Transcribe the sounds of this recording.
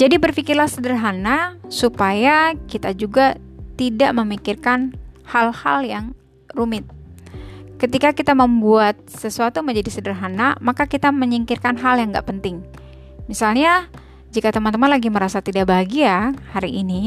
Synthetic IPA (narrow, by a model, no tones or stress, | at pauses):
d͡ʒadibərfikɪrlasədərɦanasupajakit̪ad͡ʒuɡat̪idaʔməmikɪrkanhalhaljaŋ | rumɪt̪̚ | kət̪ikakit̪aməmbuat̪̚səsuat̪uməɲd͡ʒadisədərɦana̰makakit̪aməɲiŋkɪrkanɦaljaŋɡa̰ʔpənt̪ɪŋ | misalɲa | d͡ʒikat̪əmant̪əmanlaɡiməɾasat̪idaʔbaɦɡiahaɾiʔːni